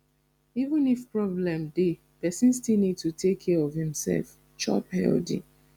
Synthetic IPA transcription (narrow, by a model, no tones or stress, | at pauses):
ivə̃nifpɹɔblɛ̃mde | pɛsĩnstilnid̚tutʰekʰːɛɔvhĩmsɛ̰lf | t͡ʃɔ̰phɛ̰ldḭ̃